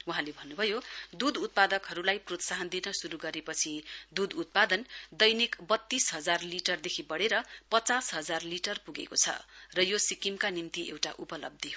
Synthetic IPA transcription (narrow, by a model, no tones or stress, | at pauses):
uɦãlebʱʌnːubʱʌjod̪ud̪ut̪̚pad̪ʌkɦʌɾulajprot̪saɦʌnd̪inʌsuɾuɡʌɾepʌt͡sʰid̪ud̪ut̪̚pad̪ʌnd̪ʌjnikbʌt̪ːisɦʌd͡zarliʈʌrd̪ekʰibʌɽeɾʌpʌt͡sasɦʌd͡zarliʈʌrpuɡḛkot͡sʰʌ̰rʌjosikimkanimt̪iḛwʈa̰ʔupʌlʌ̰b̚d̪ʱiɦo